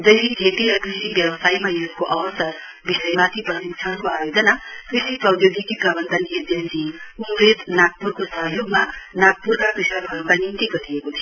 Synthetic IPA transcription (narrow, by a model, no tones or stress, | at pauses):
d͡zʌɦiɡʱeʈiɾʌkrisibjʌbʌsajmajoɡkoʔʌwʌstʌ | bisʌjemat̪ʰipʌsikt͡ʃʰankoajod͡zʌnakrisiprʌwd̪joɡikiɡʌbʌnd̪ʱʌned͡zensiumɾet̪nak̚purkosʌɦjoɡmanak̚purkakrisʌɾbʱʌnukanint̪iɡʌɾijekot̪ʰijo